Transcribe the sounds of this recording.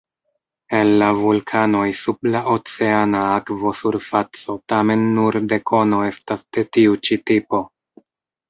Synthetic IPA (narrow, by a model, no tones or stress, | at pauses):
e̞nlavulkʰano̞jsublaʔo̞t͡se̞anaakvo̞suɾfat͡so̞tame̞nːuɾde̞kʰo̞no̞e̞stasd̥e̞tiut͡ʃitipo̞